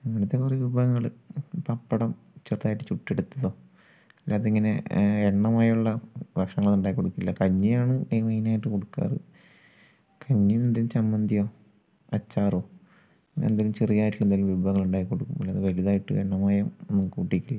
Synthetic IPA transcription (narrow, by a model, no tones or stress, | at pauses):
ɐʋiɽɐt̪ːepurɐjʋubʱɐɣɐŋːɐɭpɐpːɐɽɐm | t͡ɕert̪aːjiʈːɨt͡ɕuʈːeɽut̪ːɐðo̞ː | ɐlːaːðeiŋːɐne̞̰eɳːɐmaːjuɭːɐbɐkʂɐŋːɐɭnːuɳɖaːjikːo̞ɽukːilːɐkɐɲːijaːɳɨeːmɐjnaːjiʈːɨko̞ɽukːa̰ːrɨ̰ | kʰɐɲːimend̪ilumt͡ɕɐmːɐnd̪ijo̞ː | ɐt͡ɕːaːroː | end̪ilumt͡ɕerijaːjiʈːilːend̪aːlumʋubʱɐɣɐŋːɐɭuɳɖaːjikːo̞ɽukːumɐlːaːðeʋɐliðaːjiʈːɨ̰eɳːɐmaːjɐmenːukːɨkuːʈːikʲːilːɐ